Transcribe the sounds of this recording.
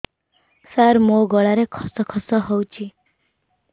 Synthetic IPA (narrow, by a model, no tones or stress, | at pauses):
saɾmoɡɔɭaɾekʰɔ̥sɔkʰɔsɔɦowt͡ʃʰi